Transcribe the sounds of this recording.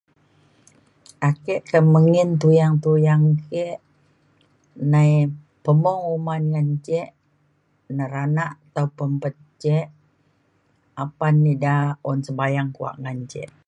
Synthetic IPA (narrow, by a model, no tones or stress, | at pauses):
ʔakɛʔkəməŋɪnt̪ujaŋt̪ujaŋkɛʔ | nai | pəmɔŋumanŋaɲt͡ʃɛʔ | nəɾanaʔt̪aupəmpət̪̚t͡ʃɛʔ | apanːidaɔnsəbajaŋkua̰ʔŋaɲt͡ʃɛ̰ʔ